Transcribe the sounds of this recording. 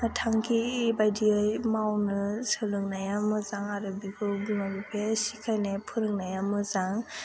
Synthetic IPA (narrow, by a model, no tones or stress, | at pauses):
tʰaŋkʰibajdiɯjmawnɯsɯlɯŋnajamɯzaŋaɾɯbikʰɯbimabipʰesikʰajnajpʰɯɾɯŋnajamɯzaŋ